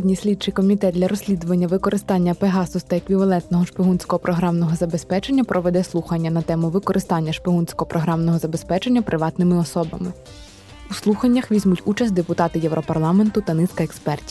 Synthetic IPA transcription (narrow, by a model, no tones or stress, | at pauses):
dʲnʲisʲlʲid̪̚t͡ʃɪjkɔmʲit̪ɛt̪d̪lʲɐɾɔsʲlʲid̪ʊʋɐnʲːɐʋɪkɔɾʔɪst̪ɑnʲːɐpeɦɑsʊst̪ɐɐkʋʲiʋɐlˠɛnt̪nɔɦɔʃpʲɪɦunsʲkɔɦɔpɾɔɦɾɑmnɔɦɔzɐbe̞spɛt͡ʃe̞nʲːɐpɾʔɔʋɛd̪ɛslˠuxɐnʲːɐnɐt̪ɛmʊʋɪkɔɾʔɪst̪ɑnʲːɐʃpʲɪɦunsʲkɔɦɔpɾɔɦɾɑmnɔɦɔzɐbe̞spɛt͡ʃe̞nʲːɐpɾʔɪʋɑt̪nɪmɪɔsɔbɐ̰mɪ | uslˠuxɐnʲːɐxʋʲizʲmutʲut͡ʃɐs̬ʲtʲd̪epʊt̪ɑt̪ɪjɛwɾʔɔpɐrlˠɑme̞nt̪ʊt̪ɐnɪsʲkɐekspɛrtʲi̥